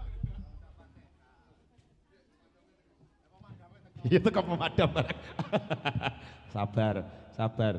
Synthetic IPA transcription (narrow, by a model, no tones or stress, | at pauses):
ijat̪ukaməmaɖ̥amt̪aɾak | sab̥arsab̥ar